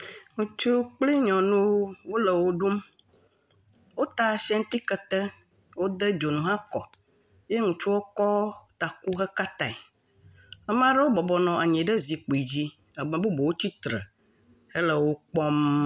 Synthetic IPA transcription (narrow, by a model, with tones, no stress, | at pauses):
ŋũ˨t͡ʃu˦k͡pli˦ɲɔ̃˨nũ˦wo˦lə˨wo˦ɖu˦m | wo˦t̪a˨ʃɛ˦ŋ˦t̪i˦kə˨t̪ə˦ | wo˦d̪ə˦d͡ʒo˨nũ˨ɦã˦kɔ̰˨ | je˦ŋũ˨t͡ʃu˦wo˦kɔ˦t̪a˨ku˦ɣə˦ka˦t̪a˨i˨ | a˦m˦ã˦ɖə˦wo˦bɔ˨bɔ˨nɔ̃˨ʔa˨ɲɛ̃˨ɖə˦zi˨k͡po˨i˨d͡ʑi˦ | a˨mə̃˨bu˦bo˨wo˦t͡ɕi˦t̪ɾə̰˨ | ə˦lə˨wo˦k͡pɔ˦m